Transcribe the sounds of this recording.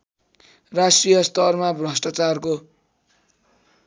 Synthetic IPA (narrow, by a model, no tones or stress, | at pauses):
rasʈrijʌst̪ʌrmabrʌsʈat͡sarko